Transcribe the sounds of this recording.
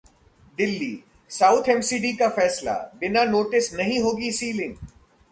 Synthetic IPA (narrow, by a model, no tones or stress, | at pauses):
d̪ɪlːiː | saːʊt̪ʰɛmsiːɖikafɛːsla̰bɪnanoːʈɪsnɐɦĩɦoːɡisiːlɪ̃ŋɡ